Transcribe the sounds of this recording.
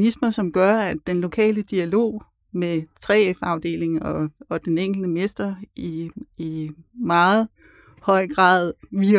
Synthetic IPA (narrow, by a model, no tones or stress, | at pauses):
nismɐsɒ̽mɡ̥ɶɐædd̥enlo̝kʰɛ̰ːləd̥iælo̝̰ː | met͡sʰʁɛ̰ːefɑ̈ʊd̥e̝̰ːle̝ŋ̩ɒɒ̽d̥eneŋ̰ɡ̥l̩d̥əmesd̥ɐiː | mɑ̈ːð̩ˠ | hɒ̽ɪ̰ɡ̥ʁɑ̰̈ːðˠʋi